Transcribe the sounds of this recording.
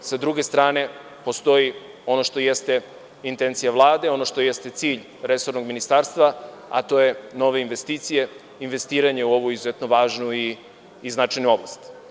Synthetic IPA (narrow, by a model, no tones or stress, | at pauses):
sad̪ɾuɡe̞st̪ɾaːne̞ | po̞st̪o̞ji | o̞no̞ʃt̪o̞jest̪e̞ | int̪e̞nt̪sijaʋlˠaːd̪e̞o̞noʃt̪o̞jest̪e̞t̪siːʎ | ɾe̞so̞ɾno̞ɡminist̪aːɾst̪ʋa | a̰t̪o̞je̞no̞ʋe̞inʋe̞st̪iːt̪sije̞ | inʋe̞st̪iːɾaɲeuo̞ʋoizuzet̪no̞ʋaːʒnuiː | znat͡ʃajnuo̞ʋlˠast̪